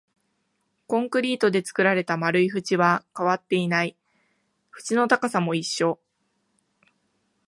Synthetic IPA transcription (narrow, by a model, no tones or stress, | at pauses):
kõ̞ŋkɯ̟ɾʲiːt̪o̞d̪e̞t͡sɨ̥kɯ̟ɾaɾe̞t̪amaɾɯ̟iɸɯ̟t͡ɕiβakaβat̪ːe̞inai | ɸɯ̟̥t͡ɕino̞t̪akasamo̞iɕːo̞